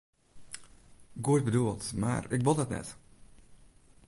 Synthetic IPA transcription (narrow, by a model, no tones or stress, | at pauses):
ɡuət̚bəduəlˠtma̰rɪkʋolˠdɔtnɛ̰t